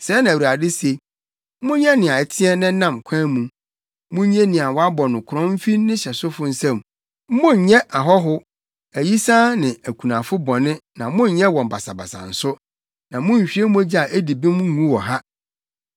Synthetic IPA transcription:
sɛː˨˦nã˨u˨a˨dɪ˦se˨˦ | mʊ̃˦ɲɛ˦nɪ̃˨a˨ɛ˨tʰɪ˦ɛ˦nɪ̃˦nã˦˨mkʷʰã˦mũ˨ | mʊ̃˦ɲɛ̃˦nɪ̃˨a˨wɔ˨˦a˦bɔ˨nʊ̃˨kʰɾɔ̃˦m̩˦fĩ˦nɪ̃˦ɕɛ˨sʊ˦fʊ˦n̩˦sɛ̃˦˨m̩˦ | mʊ̃˦ɲ˨ɲɛ̃˦ʔa˨ɦɔ˦ɦʊ˦ | æ˨ji˦sã˦nɪ̃˨æ˨kʰu˨nã˨fʊ˦bɔ˨nɪ̃˦nã˨mʊ̃˦ɲ˦ɲɛ̃˦wɔ̃˨m˨ba˨sa˨ba̰˨sã̰˨n̩˨sʊ˦ | nã˨mʊ̃˦ɲ̩˨ɕᶣi˦e˦mũ˦æ˦d͡ʑi˦a˨ʔæ˦di˨bĩ˦m˦ŋũ˦wɔ˨ɦa˦

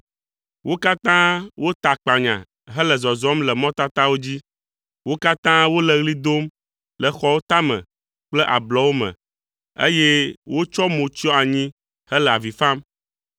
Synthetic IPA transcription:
wo˦ka˦t̪ã˦wo˦t̪a˨k͡pa˨ɲã̰˨ | ɦɛ˦lɛ˨zɔ˨zɔ˦mlɛ˨mɔ̃˦t̪a˦t̪a˦wo˦d͡ʑi˦ | wo˦ka˦t̪ã˦wo˦lɛ˨ɣli˦d̪o˦m | lɛ˨xɔ˨wo˦t̪a˦mɛ̰̃˨ | k͡plɛ˦ʔa˨blɔ˨wo˦mɛ̰̃˨ | ḛ˦je˦wo˦t͡ʃɔ˦mõ˨t͡ʃi˦ɔ˦a˨ɲĩ˦ | hə˦lɛ˨a˨vi˨fã˦m

